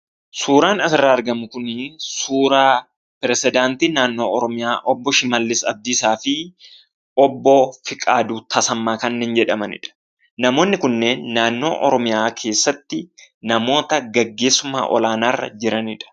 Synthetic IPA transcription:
suːɾaːnɐsɪrːaːɐɾɡɐmʊkʊnsuːɾaː | pɪɾɛsɪd̪aːnt̪iːnaːnːo̞ːɔɾɔmɪjaːʔɔbːɔʃɪmɐlːɪsɐb̚d̪iːsaːfɪ | ʔɔbːɔfɪkʼaːd̪uːt̪ʰɐsɐmːaːkɐnːeːnd͡ʒɛᶑɐmɐnɪ̰ᶑɐ̥ | nɐmo̞ːnːɪkʊnːe̞ːnːaːnːo̞̰ːʔɔɾɔmɪjaːkʰe̞ːsːɐt̪ːɪnɐmo̞ːt̪ɐɡɐɡːe̞ːsːʊma̰ːʔɔ̰laːnaːrːɐ̰d͡ʒɪɾɐnɪᶑɐ̥

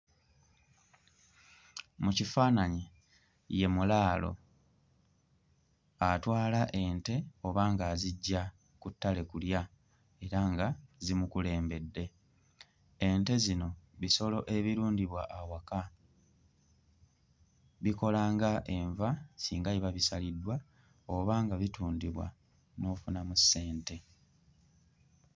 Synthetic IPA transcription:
mucifaːnaɲe | je̞mulaːlo̞̰ | atwaːlaʔe̞nte̞o̞βaːŋɡaziɟːa | kutːale̞kulja | e̞ɾaŋɡazimukule̞ːmbe̞dːe̞ | nte̞zino̞βiso̞lo̞ʔe̞βiɾuːndiβwaʔːwaka | βiko̞laːŋɡaʔe̞ɱvasiːŋɡaiβaβisalidːwa | o̞βaːŋɡaβituːndiβwa̰ | no̞ːfunamusːe̞ːnte̞

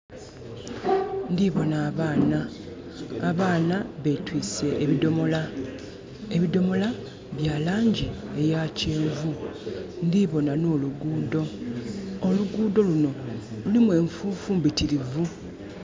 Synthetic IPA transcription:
ndiβo̞naːβaːnaː | βaːnaβe̞twiːse̞ʔːβido̞mo̞la | e̞βido̞mo̞la | βjaːlaːɲɟie̞jace̞ːɱvundiβo̞nano̞ːluɡuːdo̞ | oluɡuːdo̞luno̞lulimwe̞ːɱfuːfumbitiɾivu

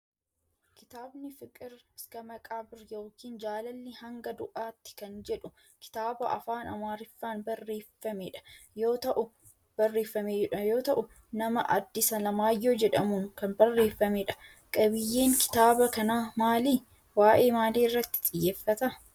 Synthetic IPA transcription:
kɪt̪aːbnɪfɪkʼɪɾɪskɐmɐkʼaːbɪɾjoːkiːnd͡ʒaːlɐlːɪhɐŋɡɐd̪ʊʔaːt̪ːɪ̥kɐnd͡ʒɛᶑʊ | kɪ̥t̪aːbɐʔɐ̰faːnɐmaːɾɪfːaːnbɐrːe̞ːfːɐmeᶑɐ̥jo̞ːt̪ɐʔʊ | b̥ɐrːeːfːɐmeɛᶑɐjo̞ːt̪ɐʔʊ | nɐmɐʔɐd̪ːɪsɐlɐmaːjːoːd͡ʒɛᶑɐmuŋkɐnbɐrːe̞ːfːɐmɛᶑɐ̥ | kʼɐbɪjːeːŋkɪ̥t̪aːbɐkɐnaːmaːliː | waːʔe̞ːmaːliːrːɐt̪ːɪ̥t̪ʼɪjːeːfːɐt̪ɐ

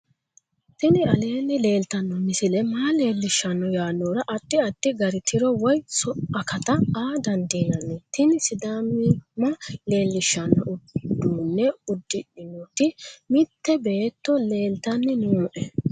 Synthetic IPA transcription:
t̪ɪnɪɐle̞ːnːɪle̞ːlt̪ɐnːɔmɪsɪlɛmaːle̞ːlːɪʃːɐnːɔjaːnːoːɾɐʔɐt̪ːɪɐt̪ːɪɡɐɾɪt̪ʰɪɾɔwɔjsɔɐkɐt̪ɐaːd̪ɐnd̪iːnɐnːɛt̪ɪnɪsɪd̪aːmɪmɐle̞ːlːɪʃːɐnːɔʔʊd̪ːuːnːɛʊd̪ːɪɗɪnɔt̪ɪmɪt̪ːɛbeːt̪ːɔle̞ːlt̪ɐnːɪnuːʔɛ

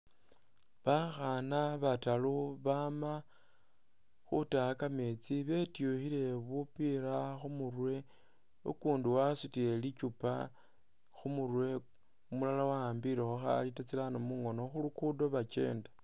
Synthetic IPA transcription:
βaxanaβataloβama | xutaakame̞t͡siβe̞tjuxile̞βupiɾaxumurwe̞ | okuːnduwasutielit͡ʃupa | xumurwe̞ | umulalawaːmbiɾexuxa̰litat͡silanomuŋo̞no̞xulukudo̞βat͡ʃe̞̰ːnda

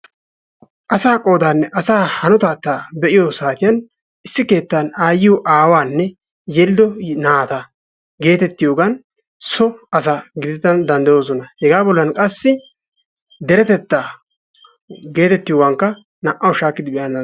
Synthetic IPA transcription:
ʔɐsaːkʼo̞ːd̪aːnːɛʔɐsaːhɐnɔt̪aːt̪ːaːbɛʔɪjosaːt̪ɪjɐn | ʔɪsːɪke̞ːt̪ːanaːjːɪʊʔaːwaːnːɛ | jɛlɪd̪ɔnaːt̪ɐ | ɡe̞ːt̪ɛt̪ːɪjoːɡɐn | sɔɐs̬aɡɪd̪ɛt̪ːɐnd̪ɐnd̪ɐjoːs̬ɔnɐhɛɡaːbɔlːɐnkʼɐsːɪ | d̪ɛɾɛt̪ɛt̪ːaː | ɡe̞ːt̪ɛt̪ːɪjowɐŋkːɐ | nɐʔɐwʃaːkːɪd̪ɪbɛʔjɐn

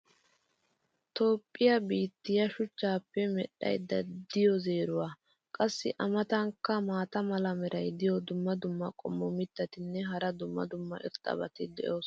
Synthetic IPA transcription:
t̪o̞ːpʼːɪjɐbiːt̪ːɪjɐʃʊt͡ʃːaːpːɛmɛɗɐ̰jd̪ːɐd̪ɪjɔzeːɾʊwaː | kʼɐsːɪʔɐmɐt̪ɐŋkːɐmaːt̪ɐmɐlɐmɛɾʔɐjd̪ɪjɔd̪ʊmːɐd̪ʊmːɐkʼɔ̰mːɔmɪt̪ːɐt̪ɪnːɛɦɐɾɐd̪ʊmːɐ̰d̪ʊmːɐ̰ʔɪ̰ɾt̪ʼɐ̰bɐt̪ɪd̪ɛ̰ʔo̞ːs

